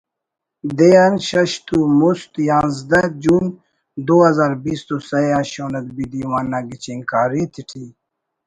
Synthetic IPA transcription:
d̪ejanɕɐɕt̪umust̪jãːnzd̪ɐd͡ʑuːn | d̪oːɦɐzaːɾbiːst̪osɐjaːɕoːnɐt̪̚bid̪iwanːaɡit͡ɕiŋkaːɾit̪ʰiʈʰi

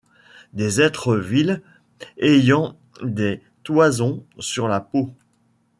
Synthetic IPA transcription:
d̪ezɛt̪χəvil | ejɑ̃ | d̪e | t̪wazɔ̃syʁlapo

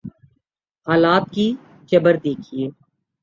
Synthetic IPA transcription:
ɦaːlaːt̪̚ki | t͡ʃəbəɾd̪eːkʰieː

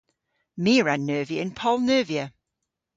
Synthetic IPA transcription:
miːɹanːɜːviəɪ̃npʰɔlˠnøːviə

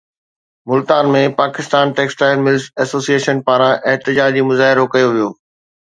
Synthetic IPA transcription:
mʊlt̪aːnmẽpaːkɪst̪aːnʈeːksʈaːɪlmɪlzɛːsoːsieːʃənpaːɾãʔɪɦt̪ɪd͡ʑaːd͡ʑimʊzaːɦɪɾokɐjoʋijoː

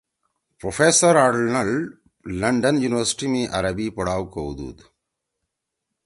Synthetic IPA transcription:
pɾofeːsɐɾaːɽɭnɐɭɖ | lɐɳɖɐnjunɪʋɐɾsɪ̥ʈimiʔɐ̰ɾɐbipɔɽaːʋkowd̪ṵːd̪

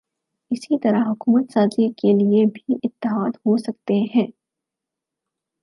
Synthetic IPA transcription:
ɪsit̪ɐɾaɦʊkuːmət̪saːzikeliebʱiʔɪt̪ːɪɦaːd̪ɦosɐk̚t̪eɦɛ̃ː

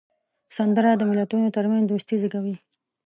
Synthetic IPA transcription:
sand̪əɾad̪əmɪlat̪unot̪aɾmand̪ost̪iziɡawi

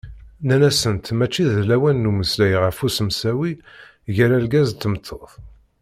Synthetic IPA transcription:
nænæsənt̪mæt͡ʃːiðlæwænːuməslæjʁəfusəmsæwi | ʝəɾælɡæzt̪ːəmət̪ʰːoθ

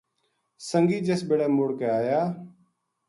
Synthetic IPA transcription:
səŋɡiːd͡ʒeːsbeːɽɛːmoːɽkeːaːjaː

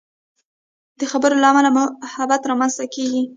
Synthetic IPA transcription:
d̪̥əxabəɾolaːmalamhabat̪ɾɑmanst̪akeɡi

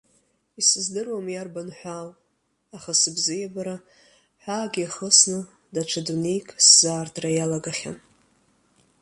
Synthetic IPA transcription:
isɨzdɨrwamjarbanħʷal | aχasɨbzɨjabaɾa | ħʷaːɡʲiaχəsnɨ | dat͡ʃʷʰadunejkʼʰszaːrtʰrajalaɡaχʲa̰n

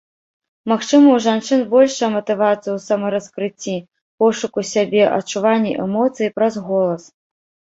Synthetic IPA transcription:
maxt͡ʂɨmɐwʐant͡ʂɨnbɔlʲʂɐmɐt̪ɨvat̪sɨjuwsamɐɾɐskɾɨt͡sʲːi | pɔʂukusʲabʲɛʔɐ̰t͡ʂːuvanʲːḭʔɛmɔt̪sɨjipɾɐzɣɔlˠɐs

